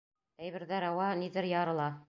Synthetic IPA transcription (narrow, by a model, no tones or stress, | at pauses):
æjβɘ̆ɾðæɾɑwɑniðɘɾjɑɾɤ̆lˠɑ